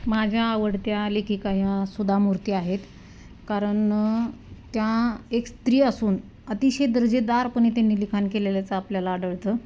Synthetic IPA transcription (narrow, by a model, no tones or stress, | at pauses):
mad͡ʑʱjaːʋəɽt̪jalekʰikajãsud̪ʱamuɾt̪iaɦet̪ | kaɾəɳ | t̪jaekst̪ɾiːəsuːn | ət̪iɕed̪əɾd͡ʑed̪aɾpəɳ̃it̪janːiːlikʰankeleljat͡səapljalaːɽəɭt̪ə